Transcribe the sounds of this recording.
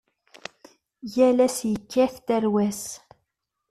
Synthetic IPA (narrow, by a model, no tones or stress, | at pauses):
jælæsjəkːæθt̪æɾwæs